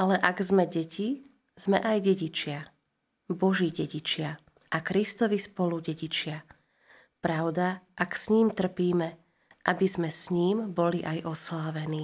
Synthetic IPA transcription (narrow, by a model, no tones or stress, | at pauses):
alɛʔaɡzmɛɟɛcʰi | z̥mɛʔajɛɟit͡ʃɪa | bɔʒiːɟɛɟit͡ʃɪa | ʔakɾist̪ɔʋispɔluɟɛɟit͡ʃɪa | pɾaʊd̪aʔaksɲiːmt̪r̩piːmɛ | ʔabizmɛsɲiːmbɔliʔajʔɔslaːʋɛniː